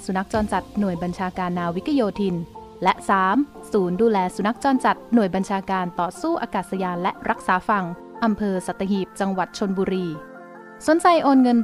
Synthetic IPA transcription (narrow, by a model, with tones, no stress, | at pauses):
su˨˩˦na˦˥k̚t͡ɕɔː˧nt͡ɕa˨˩t̪̚nu˨˩əjba˧nt͡ɕʰaː˧kaː˧nːaː˧wi˦˥k̪ʰa˧joː˧t̪ʰi˧n | lɛ˦˥ʔsaː˩˦m | suː˩˦nduː˧lɛː˧su˨˧˦na˦˥k̚t͡ɕɔː˧nt͡ɕa˨˩t̪̚nu˨˩əjba˧nt͡ɕʰaː˧kaː˧nt̪ɔː˨˩suː˥˩ʔaː˧kaː˨˩t̪̚sa˧jaː˧nlɛ˦˥ʔɾa˦˥k̚saː˩˦fa˨˩ŋ | ʔa˧mpʰɤː˧sa˨˩t̪ːa˧ɦiː˨˩p̚t͡ɕa˧ŋwa˨˩t̪̚t͡ɕʰo˧nbuː˧ɾiː˧ | su˨˩˦nt͡ɕa˧jʔoː˧nŋɤ˧n